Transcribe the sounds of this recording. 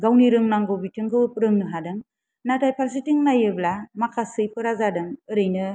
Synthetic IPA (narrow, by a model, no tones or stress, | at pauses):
ɡawniɾɯŋnaŋɡobitʰɯŋɡɯɯp̚ɾɯŋnɯɦadɯŋ | natajpʰals̬itiŋnajɯblamakʰasɯjpʰɯɾazadɯŋɯɾɯjnɯ